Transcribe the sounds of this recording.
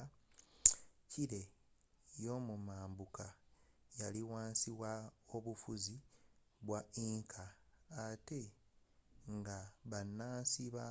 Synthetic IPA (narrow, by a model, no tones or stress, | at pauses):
ciɾe̞ | jo̞mumaːmbukʰajaliwaːnsiβwao̞βufuzi | βwaiːŋkʰaː | te̞ | ŋɡaβanːaːnsiβa